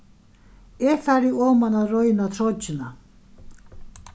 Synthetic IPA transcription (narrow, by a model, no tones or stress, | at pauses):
ɛfaɾiɔːmanaɾɔɥnat̪ʰɾɔt͡ʃːɪna